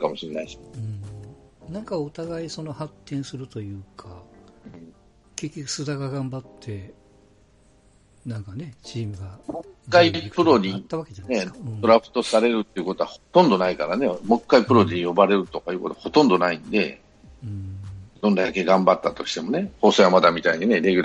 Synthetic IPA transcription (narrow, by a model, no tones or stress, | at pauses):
kamo̞ɕiɾenaiɕɯ̟̃ | nãŋkaot̪aɡaiso̞no̞hat̪ːẽ̞ɰ̃sɨɾɯ̟t̪o̞jɯ̟ːkʰã | kekʲi̥sɨd̪aɡaɡãmbat̪ʰːe̞ | nãŋkane̞t͡ɕiːmɯ̟ɡamokːaippɯ̟ɾo̞ɲit̪ːaβaked͡ʒanẽd̪oɾaɸɯ̥t̪o̞saɾe̞ɾɯ̟t̪ːe̞iɯ̟kot̪o̞ahot̪õ̞nd̪o̞naikaɾane̞mo̞kːaipɯ̟ɾoɲejo̞baɾe̞ɾɯ̟t̪o̞kajiɯ̟ko̞t̪o̞aho̞t̪õ̞nd̪o̞naĩnd̪e̞̰ | ɯ̃d̪ond̪aake̞ɡãmbat̪ːat̪o̞ɕi̥t̪e̞mo̞ne̞ho̞ːsoːjamad̪amʲit̪aiɲine̞ɾe̞ɡʲɯɾa